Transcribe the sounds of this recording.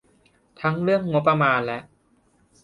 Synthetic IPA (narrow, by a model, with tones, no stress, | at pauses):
t̪ʰa˦˥ŋɾɯ˥˩əŋːo˦˥p̬ːɾa˧maː˧nlɛ˦˥ʔ